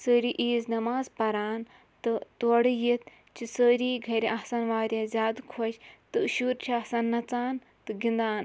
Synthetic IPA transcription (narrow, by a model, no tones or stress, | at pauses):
səːɾiʔiːznɐmaːzpɐɾaːn | t̪ɨt̪ɐɽɨjit̪̚ | t͡ʃisəːɾiːɡʱɐɾʲiʔasɐnʋaːɾʲɐzʲaːd̪kʰɔʃʲt̪ɨʃuɾt͡ʃʰiasɐnːɐt͡saːn | t̪ɨɡind̪aːn